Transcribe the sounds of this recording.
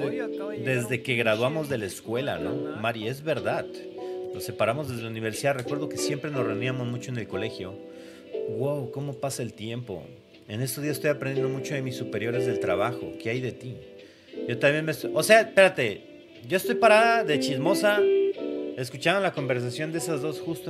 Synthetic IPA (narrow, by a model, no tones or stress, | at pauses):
d̪e̞zðe̞ke̞ɣɾaðwamo̞zðe̞laeskwe̞la̰no̰maɾie̞zβe̞ɾðað | lose̞paɾamo̞zðezðelauniβe̞ɾsiðare̞kwe̞ɾð̞o̞ke̞sje̞mpɾe̞nosre̞und̪iamo̞zmut͡ʃo̞ene̞lko̞le̞xjo̞ | ɡwawko̞mo̞pasaelt̪je̞mpo̞̰ | e̞nes̬t̪ozðiasest̪o̞japɾenjend̪omut͡ʃo̞ðe̞misːupe̞ɾjo̞ɾe̞zðe̞lt̪ɾaβaxo̞̰keajðe̞t̪i | ʝo̞t̪ambje̞nmesose̞ape̞ɾat̪e̞ | ɟ͡ʝo̞est̪o̞jpaɾaðaðe̞t͡ʃizmo̞sa | e̞s̬kut͡ʃand̪olako̞mbe̞ɾs̬asjo̞nd̪e̞sazðo̞sxust̪o